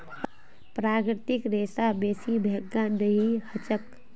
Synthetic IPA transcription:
pɾaːkɾɾɪt̪ɪkɾeːsabeːsibʱeɡːãdəɦihət͡ʃək

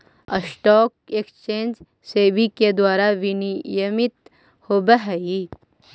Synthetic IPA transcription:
ə̰sʈɔːk̚ekst͡ʃẽːnd͡ʒ | seːbiked̪waːɾaʋinijəmɪt̪ | hoːbəɦɛi

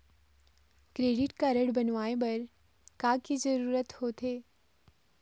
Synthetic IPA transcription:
kɾeːɖɪʈkaɾəɽbɐnʋaːebɐɾ | kakizəɾuːɾət̪hot̪ʰeː

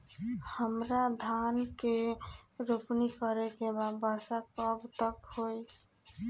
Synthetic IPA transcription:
həmɾad̪ʱankeɾupnikəɾekebad̪bəɾsakəbt̪əkhoj

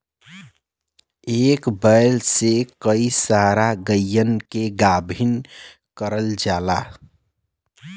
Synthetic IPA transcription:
ekbəɪlsekəisaɾaɡəjːənkeɡabʱin | kəɾəld͡ʒala

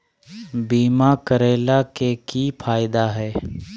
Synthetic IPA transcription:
biːmakəɾeːlakekipʰaːɪd̪aɦɛː

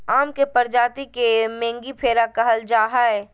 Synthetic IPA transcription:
aːmkepəɾd͡ʒaːt̪ikemẽːŋɡipʰeːɾakɐɦəld͡ʒaːɦaɛ

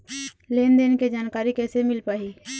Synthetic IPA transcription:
leːnd̪eːnked͡ʒaːnkaːɾikɛːsemɪlpaːɦiː

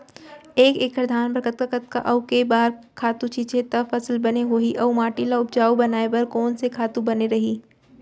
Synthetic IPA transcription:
eːkeːkɾəd̪ʱaːnbɾɐkət̪̚kakət̪̚ka̰ʔɐʊkebaːɾ | kʰaːt̪ũt͡ʃiːt͡ʃet̪ɐfɐslbɐneɦoːiʔɐumaːʈilaʊp̚d͡ʒaːubɐnaːepɐɾkɔːnsekʰaːt̪ũbɐneɾɐɦiː

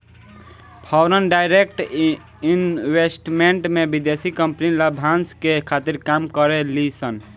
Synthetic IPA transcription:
pʰɔwɾənɖaɪɾek̚ʈ | inwesʈmeɳʈmebid̪esikəmpniləbʱanskekʰat̪iɾkamkəɾelisən

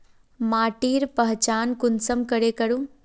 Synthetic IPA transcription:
maːʈiːɾpəɦt͡ʃaːnkʊnsəmkəɾekəɾũː

